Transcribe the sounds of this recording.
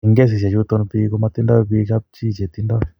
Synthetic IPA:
i˨ŋɡɛ˦s̬i˨s̬a˨t͡ʃut̪ɔ˦npi˦ku˦mat̪i˦nda˦pi˦t͡ʃa˦p̚t͡ʃi˦˨t͡ʃe˨t̪i˦ndɔ˦

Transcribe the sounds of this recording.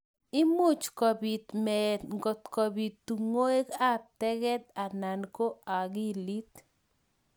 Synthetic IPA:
ɪ˦mʊ˦t͡ʃkɔ˨bi˨t̪mɛŋɡɔ˨t̪ko˨bi˨t̪ːu˨ŋo˦e˦ka˦t̪ɛ˦ɡɛ˦t̪̚a˨na˨nko˦a˨ɡi˦li˦t̪

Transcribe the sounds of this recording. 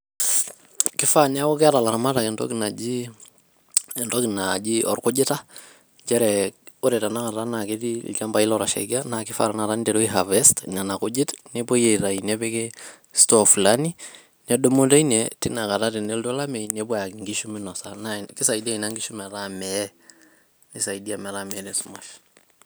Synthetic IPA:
kɪ˦fa˦na˦ɔ˦kɛ˦a˦ta˨la˨ɾma˦ta˨kɛntɔ̰˦kina˨d͡ʒi˦ | ntɔkɪ˨nad͡ʒiʔɔ̰˨ɾkʊ˦d͡ʒɪ˦ta˦ | d͡ʒɛ˦ɾɛ˨ʊ˦ɾɛ˨ta˨na˦ka˨ta˦na˨ke˦tḭ˦t͡ʃa˦mba˨i˦lɔɾa˨ʃa̰ɡa˦nakɪ˦fa̰ɾa˨na˨ta˦n˦dɛ˨ɾo˦iɦavɛstna˨na˨kʊ˦d͡ʒɪ˦tne˦bɔ˦je˨ɾa˨inɛ˦bɛ˦kɛ˦ | stɔflani˦ | nɛ˦do˦mo˦ta˦i˦nɛtɪ˦na˨ka˨ta˦ti˨ne˦ltɔ˦la˦mɛ˨nɛbɔ˦ja˨kiŋɡi˦ʃu˦mɪ˦nɔsanakɪ˦sa˨idi˦a˦i˨na˦ŋɡi˦ʃu˦mɛ˨ɾa˦mɛɛ | nɪ˦sa˨idia˨mɛ˨ɾamɛ˦nɛ˨su˦ma˨ʃ

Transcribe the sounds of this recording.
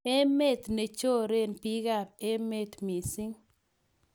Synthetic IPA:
e˦me˦˨t̪ne˨t͡ʃo˦ɾe˦npi˦ɡa˨pe˦me˦t̪mi˨si˦ŋ

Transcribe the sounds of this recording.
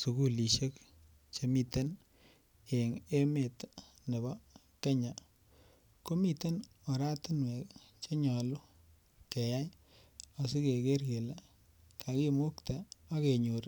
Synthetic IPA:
su˨ku˦˨li˨ʃe˦k | t͡ʃe˨˦mi˨te˦n | e˨ŋe˦me˨t | ne˨bɔ˦ | ke˦ɲa˨ | ko˦mi˦te˦n | o˨ɾa˦tɪ˦nwe˨k | t͡ʃe˦ɲɔ˨lʊ˦ | ke˨ja˦j | o˨si˦ke˨ke˦rɡe˨la˦ | kʰa˨ki˦mo˦kt̪a˨a˦ke˨ɲu˨ɾ

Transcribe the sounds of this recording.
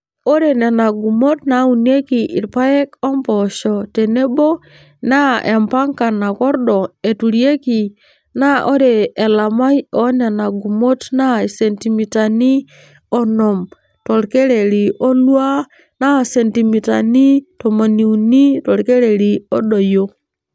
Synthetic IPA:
o˦ɾe˨ne˨na˨ɡu˨mo˦tna˨˦u˨n˦e˦ki˨ʔḭ˨ɾpa˦je˦ko˦mpɔ˨ʃɔ˨te˨ne˦bo˦ | na˦ʔe˨mpa˦ŋka˨na˨kɔ˦ɾɗɔ˨e˨tu˨ɾje˦ki˨ | na˦ʔo˦ɾeː˨la˨ma˦jo˦ne˨na˨ɡu˨mo˦tna˦˨se˨nti˨mi˨ta˨ni˦ | o˦˨no˨m | to˨ɾke˦ɾe˨ɾi˨ʔo˦lwa˦ | na˦˨se˨nti˨mi˨ta˨ni˦to˨mo˨ni˨u˨ni˦to˨ɾke˦ɾe˨ɾi˨o˦ɗo˨jo˦

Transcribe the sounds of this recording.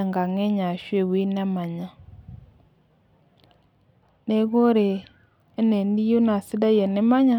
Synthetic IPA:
ŋɡa˨ŋɛ˦ɲa˨ʃwe˨wi˦nɛ˦ma˨ɲa˨ | ne˦ɡo˦ɾe˨ | e˦ne˨n˦di˦jo˦na˨si˦da˦jɛ˨nɪ˦ma˦ɲa˦

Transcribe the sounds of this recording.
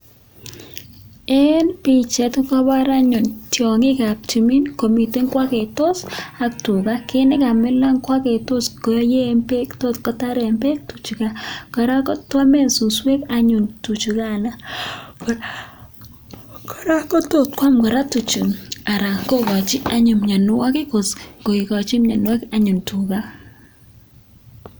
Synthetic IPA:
e˦npi˨t͡ʃɛ˨tka˦ba˦ɾa˦ɲʊ˨ntjɔ˨ŋɪ˦ka˨p̚t͡ʃi˨mi˦nko˨mi˨te˦ŋkwa˦kɛ˨to˦sa˨k̚tu˨ka˦ke˦nɪ˦ka˨mɪ˦la˦ŋkwa˦ke˨to˦skɔ˨jje˦mpe˦kto˦t̚kɔ˨ta˦ɾɛ˨mpe˦k̚tu˨t͡ʃu˨ka˦kɔ˨ɾa˦kɔ˦twa˦mɛ˦˨nsu˨swɛ˦ka˦ɲu˨ntu˨t͡ʃu˨ka˦na˦k | kɔ˨ɾa˦kɔ˦to˦˨t̚kwa˦mkɔ˨ɾa˦tu˨t͡ʃu˨na˨ɾa˨ko˦kɔ˨t͡ʃi˦a˦ɲu˨mɲa˨nʊ˦wa˦kɪ˦ko˨sko˨i˨kɔ˨t͡ʃi˦mɲa˨n˦ɛ˦kaɲu˨ntu˨ɡa˦

